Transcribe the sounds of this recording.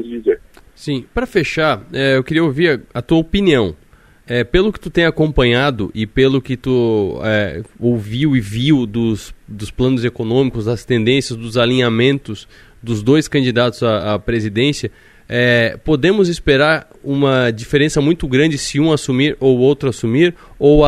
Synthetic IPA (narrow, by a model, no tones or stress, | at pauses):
ʊzd͡ʒizeɾ | sĩpɾɐfeʃaɾɛewkɪɾiɐowviɾɐɐt̪uɐopiniɐ̃w̃ | ɛpelʊkɪ̥t̪ut̪ẽj̃akõmpɐ̃ɲad̪ʊʔɪpelʊkɪt̪uɛoviwɪviwd̪ʊsd̪ʊsplɐ̃nʊzekonõmikʊzd̪ɐst̪ẽnd̪ẽsjɐzd̪ʊzalĩɲamẽnt̪ʊs | d̪ʊzd̪ojskɐ̃nd͡ʒid̪at̪ʊzaapɾezid̪ẽsjɐ | ɛpod̪ẽmʊzispeɾaɾ | ũmɐd͡ʒifeɾẽsɐmũj̃t̪ʊɡɾɐ̃nd͡ʒɪsɪũasumiɾowowt̪ɾʊasumiɾ | ow